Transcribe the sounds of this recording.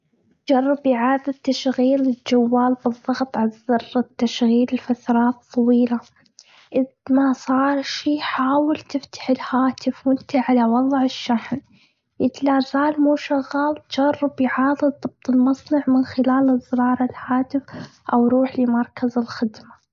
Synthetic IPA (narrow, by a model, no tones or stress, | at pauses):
d͡ʒɑrˤːɪbjʕaːd̪ˤɪt̪ːaʃɣiːlɪld͡ʒawːaːlbɨðˤːɑɣt̪ˤʕalzɑrˤːɪt̪ːaʃɣiːlɪlfat̪ɾˤɑːt̪ˤːɑwiːla | ʔɪðmasˤɑːɾˤʃiːħaːwɪlt̪ɪft̪ḁħɪlhaːt̪ɪfwɪnt̪aʕalawɑðˤʕɪʃːaħn | jɪt̪laːzaːlmuːʃaɣːɑːlt̪d͡ʒ̥ɑrˤːɪbjʕɑːðˤɨðˤɨb̥̚t̪ˤɨlmɑsˤnɑʕmɪnxɪlaːlɨzːɾˤɑːɾˤɪlhaːt̪ɪfʔawɾuːħlɪmɑɾˤkazɪlxɪd̪ma